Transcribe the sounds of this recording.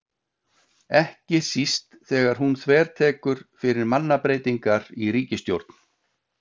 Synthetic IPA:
ɛhcɪ̥sist̪θɛːɣaɾ̥ɦunθvɛːɾ̥t̪ʰɛːkʏɾ̥fɪɾɪɾmanːapɾeːjt̪iŋkaɾiɾiːcɪst̪jowɾt̪n̥

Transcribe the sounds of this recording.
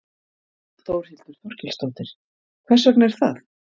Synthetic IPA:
t̪owɾ̥hil̥t̪ʏɾ̥θɔɾ̥cɪlst̪oːwt̪ɪɾ̥ | kʰv̥ɛsœknɛɾ̥θaθ

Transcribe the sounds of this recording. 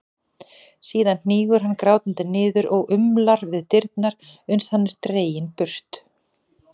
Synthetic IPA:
siːðann̥iːɣʏɾ̥ɦanːkɾaːwt̪ʏnt̪ɪnɪːðʏɾʔɔɣʔʏmlaɾvɪðt̪ɪɾt̪naɾʏnshanːɛɾ̥t̪ɾeːjɪnpʏr̥t̪

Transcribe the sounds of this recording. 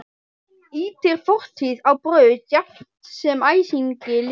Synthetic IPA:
iːt̪ʰɪɾ̥fɔr̥t̪hiðawpɾœːɥʏcapt̪sɛmaːjsiɲcɪl

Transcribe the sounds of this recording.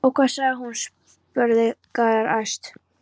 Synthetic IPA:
ɔwkʰvaːsaɣɦuns | pœɾðɪkaðaɾajst̪

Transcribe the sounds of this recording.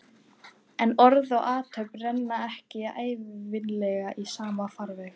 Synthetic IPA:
ɛnɔɾðɔɣaːt̪ʰœɥprɛnːaɛhcɪaeːjvvɪnlɛɣaʔisaːmafaɾvɛx

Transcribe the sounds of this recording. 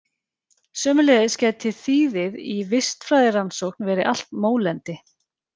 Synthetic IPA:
sœːmʏlɛːðɪscɛːtt̪ʰɪlθiːðɪðivɪst̪fɾaːjðɪransowknvɛːɾɪʔal̥t̪moːwlɛnt̪ɪ

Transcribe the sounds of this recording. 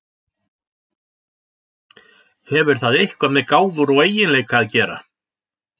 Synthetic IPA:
hɛvʏɾ̥θaðehkvamɛðkaːwðʏɾɔɣeːjɪnlɛːjkʰaðcɛːɾa̰

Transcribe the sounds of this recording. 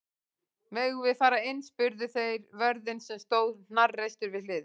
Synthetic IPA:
mɛːɣvɪðfaːɾaɪnːspʏɾðʏθejɾvœɾðɪnsɛmst̪oːwðn̥arːejst̪ʏɾvɪðlɪːðɪ

